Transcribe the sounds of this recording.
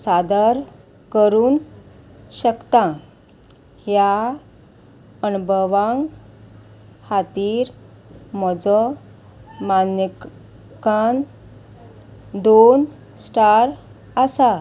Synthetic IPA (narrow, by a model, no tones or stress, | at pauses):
sad̪əɾ | kəɾuːn | ɕəkt̪ã | hja | ənubʱəʋãŋɡ | hat̪iːɾ | mɔd͡zɔ | manə | kan | d̪on | sʈaɾ | asa